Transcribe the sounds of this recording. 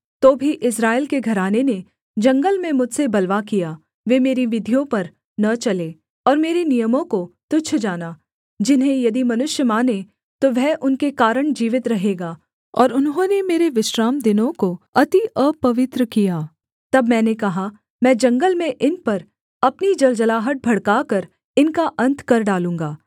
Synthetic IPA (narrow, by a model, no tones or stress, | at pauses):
t̪oːbʱiʔɪsɾaːɪlkeɡʱɐɾaːnene | d͡ʒɐ̃ŋɡəlmẽmʊd͡ʒsebɐlʋakijaː | ʋeːmeːɾiʋɪd̪ʱijõpɐɾ | nɐt͡ʃɐleː | ɔːɾmeːɾenijəmõkot̪ʊt͡ʃʰd͡ʒaːnaː | d͡ʒɪnɦẽjɐd̪imɐnʊʃjəmaːne | t̪oʋɛɦʔʊnkekaːɾəɽ̃d͡ʒiːʋɪt̪ɾɐɦeːɡaː | ɔ̰ːɾʊnɦõnemeːɾeʋɪʃɾaːmd̪ɪnõkoɐt̪iʔəːpːɐʋɪt̪ɾəkijaː | t̪ɐbmɛ̃ːnekɐɦa | mɛ̃ːd͡ʒɐ̃ŋɡəlmẽʔɪnpɐɾ | ɐpnid͡ʒɐld͡ʒəlaːɦəʈ̪̚bʱɐɽkaːkɐɾ | ɪnkaʔɐ̃nt̪ʰkɐɾɖaːlũːŋɡaː